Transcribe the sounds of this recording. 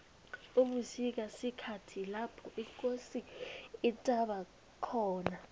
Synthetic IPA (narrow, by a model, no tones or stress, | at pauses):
uɓusik̬asikʰatʰilapʰɔʔikʼosiː | tʼaɓa | kʰɔːna